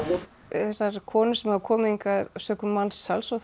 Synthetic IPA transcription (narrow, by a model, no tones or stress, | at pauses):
θɛsːaɾkʰɔːnʏsɛmakʰɔːmiŋkaðsœːkʏmːalsːalsɔ